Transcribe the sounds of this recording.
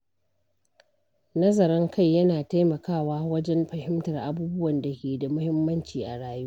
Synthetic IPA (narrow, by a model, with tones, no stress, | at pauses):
nɐ˦zɐ˨ɾɐ˦ŋkʰa˦˨jːɐ˦naː˨ta˦jmɐ˨kaː˦˨waː˦wɐ˦d͡ʒɛ˦mɸɐ˨hɪ˦mtɐ˨rʔa˦buː˦bʊ˦wɐ˨nda˨kʲeː˨da˨mʊ˦hɪ˦mːɐ˦nt͡ʃiː˨ʔa˨ɽaː˦juː˦